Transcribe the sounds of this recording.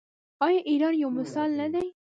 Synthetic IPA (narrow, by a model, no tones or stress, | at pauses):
ɑːjɑʔiːɾɑːnjawmɪsɑːlnad̪aj